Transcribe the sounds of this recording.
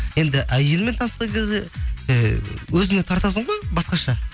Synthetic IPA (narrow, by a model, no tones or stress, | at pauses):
je̞nd̪ɪʔæje̞lɪme̞nt̪ʰɑnəsqɑŋkʲʰezd̪e | wɵzɪŋe̞t̪ʰɑɾt̪ɑs̬əɴʁojbɑsqɑʃɑ